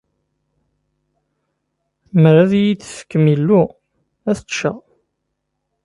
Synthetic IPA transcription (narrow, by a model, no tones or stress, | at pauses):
məɾæðjit͡sːfə̥kːmilːu | æθəʃə̰ʁ